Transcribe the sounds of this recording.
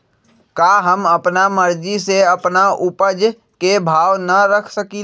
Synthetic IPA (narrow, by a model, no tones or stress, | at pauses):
kaɦəməpnaməɾd͡ʒiseəpnaʔʊpəd͡ʒ | kebʱaːwnəɾəkʰsəki